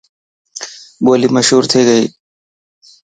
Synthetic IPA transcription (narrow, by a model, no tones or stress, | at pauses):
boːliːməʃɦuːɾt̪ʰeːɡəiː